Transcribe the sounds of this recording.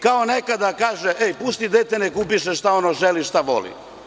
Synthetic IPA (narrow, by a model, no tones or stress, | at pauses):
kaonekad̪akaːʒeʔejpust̪id̪et̪enekuːpiʃeʃt̪aonoʒeliʃt̪aʋo̰lḭ